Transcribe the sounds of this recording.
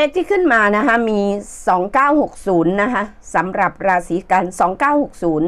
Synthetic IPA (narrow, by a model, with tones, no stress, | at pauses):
le˦˥k̚t̪ʰiː˥˩kʰɯ˥˩nmaː˧na˦˥kʰa˦˥miː˧sɔː˩˦ŋkaː˥˩who˨˩k̚suː˩˦nːa˦˥kʰa˦˥ʔ | sa˩˦mɾa˨˩p̚ɾaː˧siː˩˦ka˧nsɔː˩˦ŋkaː˥˩who˨˩k̚suː˩˦n